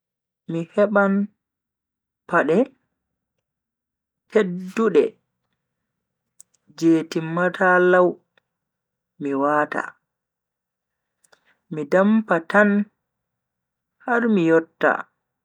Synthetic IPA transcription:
mihɛɓan | paɗɛ | tedːuɗɛ | d͡ʒeːtimːatʰalaw | miwaːta̰ | midampatan | haɾmijɔtːa̰

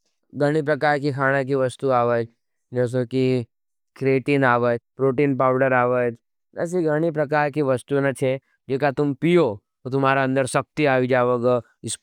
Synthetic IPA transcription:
ɡɐɽ̃ip̬ɾɐkaːɾkikʰaːɽ̃ak̬iʋɐst̪uaːʋəd͡ʒ | d͡ʒɛːs̬oki | kɾeːʈiːnaːʋəd͡ʒpɾoːʈiːnpaːʊɖəɾaːʋəd͡ʒ | nɐ̰s̬iɡəɽ̃ipɾɐkaːɾkiʋɐst̪unat͡ʃʰe | d͡ʒeːkat̪ʊmpijo | t̪ʊm̤aːɾaə̃nd̪əɾsɐk̚t̪iaːʋid͡ʒaːʋoɡ | ɪs

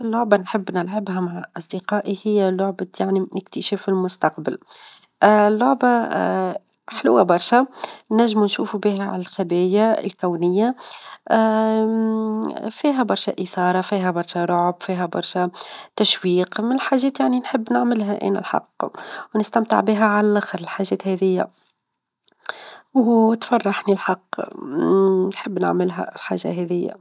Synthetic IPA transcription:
lːʊʕbanħəbːnɪlʕabhæmaʕaʔɑsˤd̪ɪqɑːʔihɪjːælʊʕbajaʕniɪkt̪əʃɛːfɪlmʊst̪ɑqbɪl | ʔlːʊʕba | ħlṵːæbɑɾˤʃɛnæʒːmunʃuːfubiːɦæʕa̰lælxæbɛːjaɪ̰lkæwnɪjːa | fiːɦæbɑɾˤʃɛ̰ʔəθɑːɾˤɑfiːɦæbɑɾˤʃɛɾˤʊʕbfiːɦæbɑ̰ɾˤʃɛt̪æʃwiːqmɪnɪlħaːʒːɛːt̪jaʕninħəbːnɪʕmɪlɦæʔæ̰ːnæ̰lħɑ̰qːwnɪst̪æmt̪ə̰ʕbiɦæʕalælʔæxəɾɪlħaʒːɛːt̪hɛðɪjːæ̰ | wut̪fɑrˤːɑħnilħɑqː | nħəbːnɪ̰ʕmɪlɦæ̰lħa̰ːʒːa̰ɦɛðɪjːæ̰

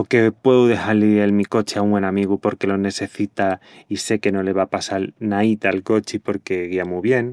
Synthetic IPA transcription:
oke̞pwe̞ðuðe̞xaɾlielmiko̞t͡ʃeauŋwenamiɣ̞upo̞ɾke̞lo̞ne̞se̞θit̪a | ise̞ke̞no̞le̞β̞apasalnait̪aalko̞t͡ʃipo̞ɾke̞ɣiamuβje̞n

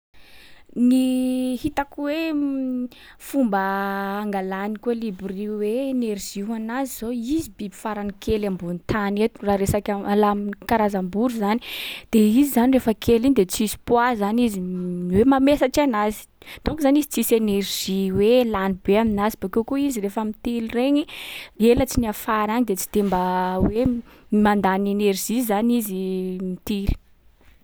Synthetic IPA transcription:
nihit̪akwe | fumbəːŋɡalanikuelibriweenerʒ̥iɦanaziz̥oizibibi̥faɾanikʰelambunit̪ʰanet̪uraɾesakʲaalaminkaɾazambuɾuzanid̪̥eizizanirefəkʰeliɲid̪et͡sizi̥pwazaniziwemamesat͡ʃianazi̥ | t̪uŋkzanizit͡sisenerʒ̥iwelanibeaminazibakewkuizirefəmit̪ilireɲielət͡siniafaɾaɲid̪et͡si̥d̪̥embawe | mand̪anenerʒ̥izanizimit̪ili̥

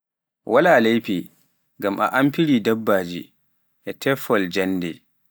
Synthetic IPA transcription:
wʔalaːlejpi | ɡamʔa̰ʔampiɾidabːaːd͡ʒḭ | ʔɛtʰɛfɔld͡ʒanːdɛ

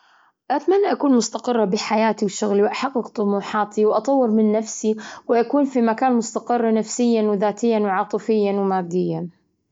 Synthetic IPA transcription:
ʔat̪manːaʔakuːnmʊst̪aqɨrˤːɑbɪħajaːt̪iwʃʊɣliwʔaħɑqːɨq̚t̪ˤʊmuːħɑːt̪iwʔɑt̪ˤɑwːɨɾmɪnːafsiwɪʔakuːnfimakaːnmʊst̪aqɨrˤːɑnafsɪjːanwðaːt̪ɪjːanwʕɑːt̪ˤɨfɪjːanwmaːɾd̪ɪjːa

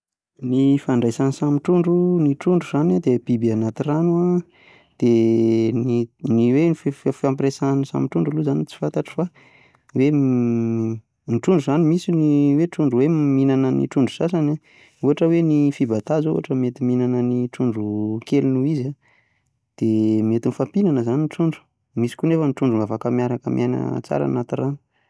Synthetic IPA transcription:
nifaɳɖ͡ʐajsansamiʈ͡ʂuɳɖ͡ʐuniʈ͡ʂuɳɖ͡ʐuz̥anad̪eb̥ibianat̪iranua | d̪̥eniniwefffiãmpresanisa̰miʈ͡ʂuɳɖ͡ʐuluzanit͡si̥fant̪aʈ͡ʂi̥fa | we | niʈ͡ʂuɳɖ͡ʐuzanimisiniweʈ͡ʂuɳɖ͡ʐuweminanənḭʈ͡ʂuɳɖ͡ʐu̥sasana | uɦaʈ͡ʂəwenifibat̪azoṵɦaʈ͡ʂəmet̪iminanəniʈ͡ʂuɳɖ͡ʐukelunuiza | d̪̥emet̪inifampinanəzaninʈ͡ʂuɳɖ͡ʐu̥ | misi̥kʲunefəniʈ͡ʂuɳɖ͡ʐumavakəmijaɾakəmʔana̰t͡sa̰ɾa̰nat̪irani̥

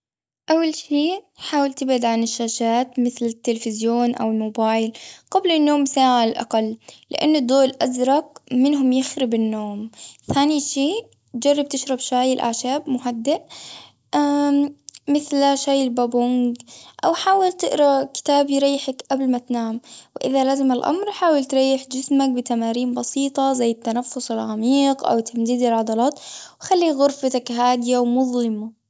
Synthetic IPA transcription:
ʔawːalʃiː | ħaːwalt̪ɪbʕɪd̪ʕanɪʃːaːʃaːt̪mɪθlɪt̪ːɪlfɪzjoːnʔa̰wɪlmoːbaːjɪlqɑblɪnːoːmːsaːʕaallʔa̰qɑlːɪ̰ʔa̰nːʊd̪ˤːoːlʔazɾˤɑqmɪnɦʊmjɪxɾɪbɪnːoːmθaːniʃiː | d͡ʒɑrˤːɑb̚t̪ɪʃɾˤɑbʃaːjɪlʔa̰ʕʃaːbmʊɦad̪ːɪʔ | ʔa | mɪθlaʃaːjɪlbaːbʊŋɡʔawħaːwalt̪ɪʔɾˤɑkɪ̥t̪aːbjɾɑjːɪħakʔablmat̪naːmwɪʔɪðalaːzɪmalʔa̰mɾħaːwalt̪ɾˤɑjːɪħd͡ʒɪsmak̚bɪt̪amaːɾiːmbɑsiːt̪ˤɑzajːɪt̪ːanafːʊsˤɪlʕamiːqʔa̰wt̪ʰamd̪iːd̪ɪlʕɑd̪ˤɑlɑːt̪wxalːiːɣʊɾfat̪akɦaːd̪ɪjawmʊðˤlɪma

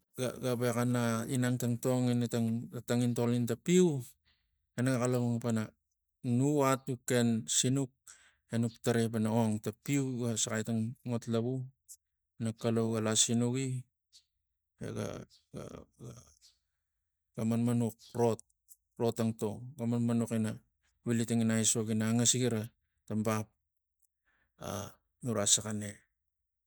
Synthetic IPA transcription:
ɡa̰ɡabekanainaŋtaŋto̞ŋenetaŋataŋinto̞lintapiw | enaɡakalowŋpana | nuatukːe̞nsinuk̚ | enuktaɾe̞p̬anaoŋtapiwɡasakajtaŋŋo̞tlaβu | enakalowɡalasinuki | ḛɡa̰ | a̰ɡa | ɡ̥amanmanuk̚ɾo̞t̚ | ɾo̞taŋto̞ɡamanmanukina | wilitaŋinajso̞ɡinaːŋasiɡiɾa | tambap̚ | a̰ | nuɾasakane̞

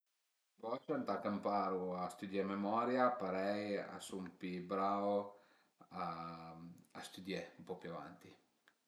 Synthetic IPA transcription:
bɔt͡ʃant̪akampaɾuast̪ud̪jɛmɛmɔɾjapaɾɛja̰sumpibɾavo | a | ast̪ud̪jɛumpɔpjuava̰nt̪i

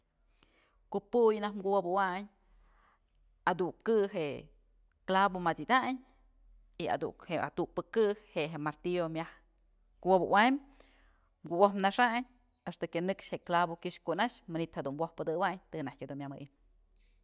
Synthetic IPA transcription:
kuʔpujnahmɡuwabuwaɲ | ad̪uŋkɨɦeʔ | klabomat͡sid̪aɲ | ia̰d̪ṵkhea̰t̪uk̚pɨkɨhheʔɦemaɾt̪iomʲah | kuwabṵwaɲ | mɡuwohmnaʂaɲ | eʂt̪ɨkenɨkʃheʔklabokɨʃkunaʃmanit̪had̪unmwohpɨd̪ɨwaɲt̪ɨnahkʲad̪unmʲjamɨ̰ʔin

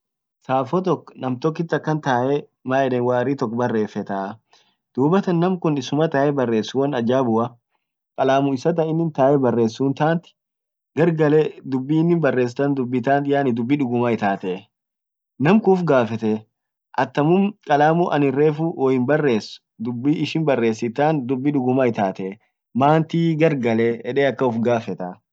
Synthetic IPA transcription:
saːfɔt̪̬ɔkːɔ̥nɐmt̪ɔkːɪt̪ːɐkːɐnt̪aːʔɛ | maːɛᶑɛnwaːɾiːt̪ɔkːbɐrːe̞ːfɛt̪aː | d̪̥uːbɐt̪ɐnːɐmkʊnɪsʊmɐt̪aːʔɛbɐrːe̞ːsːʊwɐnɐd͡ʒaːbʊʔɐ | kʼɐlaːmʊɪsɐt̪̬ɐɪnːɪnt̪aːʔɛbɐrːe̞ːsːuːnt̪aːnt̪ɪ̥ | ɡɐɾɡɐlɛd̪ʊbːiːɪnːɪnbɐrːe̞ːs̬ɪt̪ɐnd̪ʊbːɪt̪aːnt̪jaːnɪd̪ʊbːiᶑʊɡʊmɐɪt̪aːt̪ɛ | nɐmkʊːfɡaːfɛt̪ɛ | ʔɐt̪ːɐmʊmkʼɐlaːmʊʔɐ̰nɪre̞ːfuwɔjɪnbɐrːe̞ːsʊ̥ | d̪ʊbːiːɪʃɪnbɐrːe̞ːsːɪt̪ːaːnd̪ʊbːɪᶑʊɡʊmɐɪt̪aːt̪ɛ | maːnt̪iːɡɐɾɡɐlɛɛᶑeːɐkːɐʊfɡaːfɛt̪ɐ

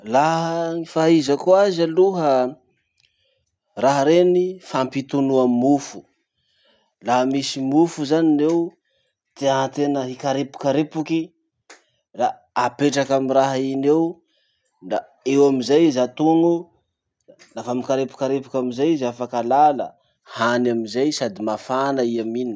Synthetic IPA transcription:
laɦəŋifaɦizəkuazaluɦə | raɦəɾenifampit̪unuammufu̥ | laɦmisimufuzaninew | t̪eat̪enəɦikaɾepu̥kaɾepuki | ra | apeʈ͡ʂakamiɾaɦinew | nd̪a | ewamizajizat̪uŋu | nafamikaɾepu̥kaɾepu̥kʲamizajizafakalalə | hanamizajsad̪imafanaiamin

